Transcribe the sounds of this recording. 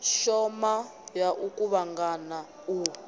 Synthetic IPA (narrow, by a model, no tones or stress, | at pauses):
ʃɔmajaʔukuβaŋɡana | u